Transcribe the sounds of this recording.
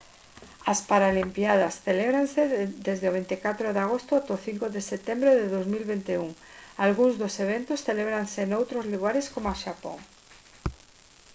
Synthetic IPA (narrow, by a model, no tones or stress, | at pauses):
aspaɾalimpjað̞ɐsθeleβɾansed̪ezðeoβ̞ent̪ekat̪ɾoðeaɣ̞ost̪ʊat̪oθiŋkoðeset̪embɾeðeðowzmilβent̪euŋalɣuŋzðoseβ̞ent̪osθeleβɾaŋsenowt̪ɾozluɣaɾeskomoaʃapo̰ŋ